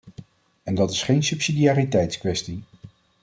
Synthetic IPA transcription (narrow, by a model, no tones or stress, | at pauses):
ɛndɑtɪsχejnsɵpsidijaːritɛjtskʋɛsti